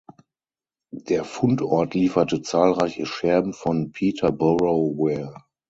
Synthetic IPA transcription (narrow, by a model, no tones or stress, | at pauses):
d̥eːɐfʊntɔɐtliːfɐtət͡saːlʁaɪçəʃɛɐbm̩fɔnpʰiːtʰɐbɔʁowɛ